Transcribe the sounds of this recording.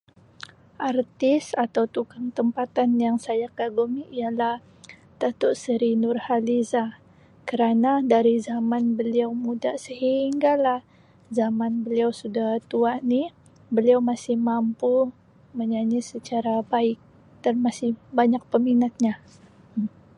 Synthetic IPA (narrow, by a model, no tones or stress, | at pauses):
ʔart̪ɪsat̪awt̪ukaŋt̪əmpat̪anjaŋsajakaɡumiʔːalah | t̪at̪ɔʔsəɾinʊrhaliza | kəɾanadaɾizamanbəliawmudasəhiŋɡalah | zamanbəliawsudaht̪uaʔni | bəliawmasɪhmampu | məɲaɲisət͡ʃaɾabaɪk̚ | danmasɪhbaɲak̚pəminat̪̚ɲa